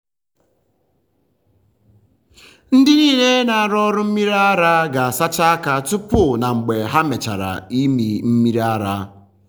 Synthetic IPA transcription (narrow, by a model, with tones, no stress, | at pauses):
n̩˦dɪ˦niː˦˨le˦na˨a˨ɾɔ˦ɾʊ˦m̩˦mi˦ɾa˦a˦ɾa˦ɡa˨sa˦t͡ʃa˦a˦ka˦tʊ˦pʊ˦na˨ŋ͡m̩˨ɡ͡be˨ɦa˦me˨t͡ʃa̰˨ɾa̰˨i˦mi˨m̩˦mi˦ɾa˦ɾa˦